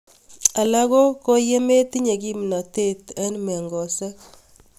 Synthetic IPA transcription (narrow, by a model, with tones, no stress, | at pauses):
a˨la˦ko˦ko˦je˦me˦t̪i˦ɲe˨ki˦m˨na˨te˦t̪a˦nmɛ˨ŋɡɔ˨sɛ˦k